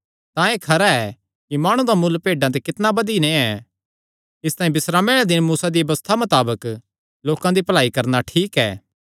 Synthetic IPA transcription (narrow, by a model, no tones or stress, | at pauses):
t̪ãekʰɐɾaɛ | kimaːɽ̃ũd̪amʊlːpeːɖãt̪̬ɛkɪt̪nabɐd̪inẽɛ | ɪst̪aːĩbɪsɾaːmeɽɛd̪ɪnmuːsad̪iɐbɐst̪ʰamɐt̪aːbək | loːkãd̪ipɐlaːikɐɾnaʈʰiːkɛ̰ː